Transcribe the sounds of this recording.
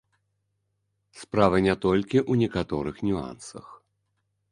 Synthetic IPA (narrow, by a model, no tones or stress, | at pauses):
spɾavɐnʲɛt̪ɔlʲkʲiʔunʲɛkat̪ɔɾɨxnʲua̰nsɐ̰x